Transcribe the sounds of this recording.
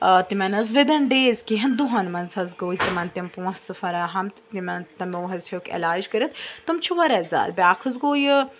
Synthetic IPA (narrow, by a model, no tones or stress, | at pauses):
t̪imɐnɐzʋed̪ɐnɖeːzkiɦɐnd̪uɦɐnmɐnzɐzɡoːjt̪imɐnt̪impũɐ̃sɨfɐɾɐɦɐmt̪t̪imɐnt̪ɐmoːɦɐzhʲokʲɐ̰laːd͡ʒkɐɾɨt̪ʰt̪ːɨmt͡ʃʰuʋɐɾɐzʲa̰ːlbʲaːkʰɐzɡoːjɨ